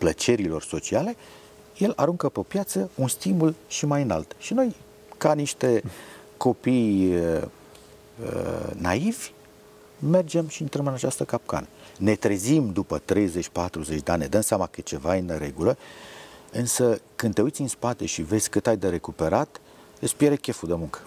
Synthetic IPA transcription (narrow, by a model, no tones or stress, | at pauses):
plət͡ʃe̞ɾilo̞rso̞t͡ʃiale̞ | je̞laɾuŋkəpepjat̪səunst̪imulʃimajɨnalt̪ʃino̞j | kaniʃt̪e̞ | ko̞pij | ə̰naivʲ | me̞rd͡ʒe̞mʃiɨnt̪ɾəmɨnat͡ʃast̪əkap̚ka̰nəne̞t̪ɾe̞zimd̪upət̪ɾe̞jze̞t͡ʃʲpat̪ɾuze̞t͡ʃd̪eaned̪əmseamakət͡ʃe̞vaɨnɾe̞̰ɡulə | ɨnsəkɨnd̪t̪eujt̪sʲinspat̪e̞ʃive̞zʲkɨt̪ajd̪eɾe̞kupe̞ɾat̪ | espijeɾekʲe̞fud̪emuŋkə̥